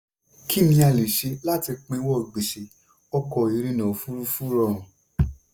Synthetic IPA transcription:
ki˦˨mĩ˦a˧˨li˨ʃe˨˧la˦ti˧k͡pẽ˧˦wɔ˦˨ɡ͡be˨ʃe˨˦ | ɔ˧kɔ˧˨i˨˧ɾi˦nã˨fu˦ɾu˦fu˦ɾɔ̃˦˨

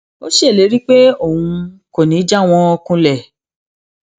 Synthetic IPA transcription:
o˦ʃe˦e˦˨le˨˦ɾi˦k͡pe˦o˦˨hũ˧ko˨nĩ˨˦d͡ʒa˦˨w̃ɔ̃˧ɔ˧kũ˧lɛ˨

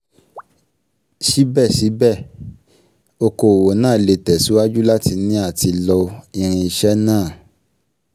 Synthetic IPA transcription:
ʃi˨˦bɛ˦˨ʃi˨˦bɛ˦˨ | o˧ko˨wo˨nãː˦˨le˧tɛ˨su˨˦wa˦d͡ʒu˦la˦ti˧nĩ˦a˦˨ti˧lɔ˧i˧ɾ̃ĩ˧i˧ʃɛ˦nãː˦˨

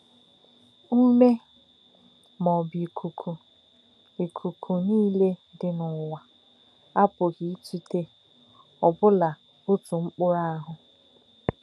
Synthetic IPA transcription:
u˦me˦ | mɔ˨bi˨kʰu˨kʰu˨ | e˨kʰu˨kʰu˨niː˦le˦dɪ˨nʊ˨wa˨ | a˦pʊ˨ɣi˨˦t͡ʃi˦te˦ | ɔ˨bʊ˦la˨ | ʊ˦tu˨ŋ͡m̩˦k͡pʊ˦ɾa˦a˦ɦʊ˨

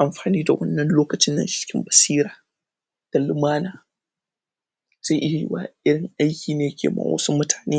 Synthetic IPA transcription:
ʔa˨mɸaː˨niː˦da˨wɐ˦nːɐ˨nloː˦kɐ˨t͡ʃɪ˦nːɐ̰˨ʃt͡ʃɪ̥˦kʲɪ˦mbɐ˨siː˦ɾaː˨ | d̥ɐ˨lɪ˨maː˦naː˨ | z̥a˦ʔɪ˦ja˨jɪ̰˦wa̰ː˦ʔɪ˦ɽɪ˨ŋʔa˦jkʲiː˨neː˨jɐ˦kʲʰḛ˨ma̰ː˦wɐ̰˦su˦mʊ˦tʰaː˨neː˦

